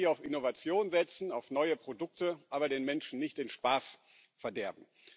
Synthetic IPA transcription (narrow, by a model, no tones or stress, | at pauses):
aʊfɪnovat͡sjoːnzɛt͡sn̩aʊfnɔʏəpʁ̥odʊk̚təʔaːbɐdeːnmɛnʃn̩nɪçtɪnʃpaːs | fɛɐdɛɐbm̩